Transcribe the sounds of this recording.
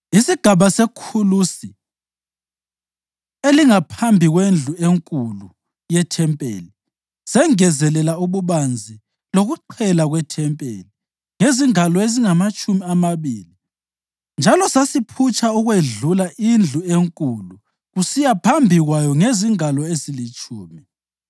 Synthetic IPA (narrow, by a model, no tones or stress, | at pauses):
isiɡ̥ʱaβasekʰulusi | eliŋapʰambʱiɣwend͡ɮʱueŋkʼulu | jɛtʰɛmpʼḛːli | sɛŋɛzɛlɛlauβuβand͡zʱi | loɣuǃʰɛlaɣwɛtʰɛmpʼḛːli | ŋeziŋalɔeziŋamat͡ʃʼumiamaβiːli | nd͡ʒʱalɔsasipʰut͡ʃʼauɣweɮulaʔind͡ɮʱueŋkʼulu | ɣusijapʰambʱiɣwajɔŋeziŋalɔezilit͡ʃʼuːmi